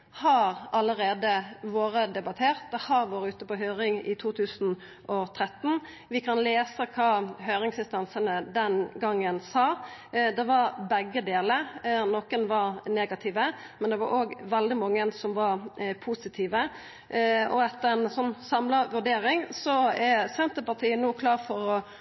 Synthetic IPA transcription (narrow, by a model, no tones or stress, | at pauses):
hɑɾɑləɾeːd̪əʋoːɾəd̪ɛbɑt̪ʰeːʁt̪̚d̪ɛhɑɾʋoːɾəʉːt̪əpɔɦøːɾɪŋɪ̰t̪ʰuːt̪ʰʉːsn̩ | ʔɔt̪ʰɾɛt̪ːn̩ | ʋɪkʰɑnleːsəkʰɑːɦœːɾɪŋsɪnst̪ɑnsənəd̪ɛnɡɑŋːənsɑːd̪ɛʋɑɾbɛɡːəd̪eːləɾnɔkənʋɑɾneːɡɑt̪ʰiːʋə | mɛnd̪ɛʋɑɾʔoːɡʋɛld̪ɪmɑŋːənsɔmʋɑɾpʰuːsɪt̪ʰiːʋə | ɔɛt̪ːəɾɛnsɔnːsɑmlɑʋʉɖ̪eːɾɪŋsɔɛsɛnt̪əpɑt̪ʰiːənːuːkʰlɑːʁfɔɾɔ